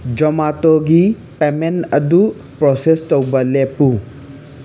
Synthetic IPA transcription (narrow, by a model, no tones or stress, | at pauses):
d͡ʒɔmat̪oɡi | pemenɐd̪u | pɾɔsest̪ɔwbɐlepu